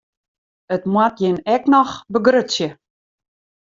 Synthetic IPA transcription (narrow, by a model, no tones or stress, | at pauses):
ətmwatjɪnɛknɔxbəɡrøsjə